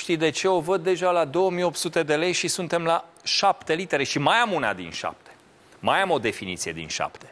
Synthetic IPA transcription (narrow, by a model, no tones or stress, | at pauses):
ʃt̪ijd̪e̞t͡ʃe̞o̞vəd̪̚ːe̞ʒalad̪o̞wəmijo̞p̚t̪sut̪e̞d̪e̞le̞jʃisunt̪e̞mla | ʃapt̪e̞lit̪e̞ɾe̞ʃimajamuna̰d̪ḭnʃa̰p̚t̪ʰe̥ | majamo̞d̪e̞finḭt̪sije̞d̪ḭnʃa̰pt̪e̥